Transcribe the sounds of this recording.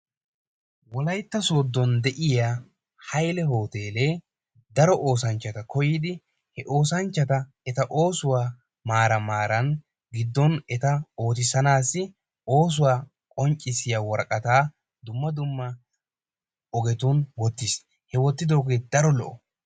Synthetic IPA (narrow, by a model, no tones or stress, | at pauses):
wɔlɐjt̪ːɐsoːd̪ːɔnd̪ɛʔɪja | hɐjlɛɦo̞ːt̪e̞ːleː | d̪ɐɾɔʔo̞ːsɐnt͡ʃːɐt̪ɐkɔjɪːd̪ɪ | hɛʔo̞ːsɐnt͡ʃːɐt̪ɐ | ɛt̪ɐʔo̞ːsʊwaː | maːɾɐmaːɾɐn | ɡɪd̪ːɔnɛt̪ɐo̞ːt̪ɪsɐnaːsːɪ | o̞ːs̬ʊwaː | kʼɔnt͡ʃʼːɪsɪjaːwɔɾkʼɐt̪aː | d̪ʊmːɐd̪ʊmːɐ | ɔɡɛt̪uːnwɔt̪ːɪs | hɛwɔt̪ːɪd̪oːɡed̪̥ɐɾɔlɔ̰ʔɔ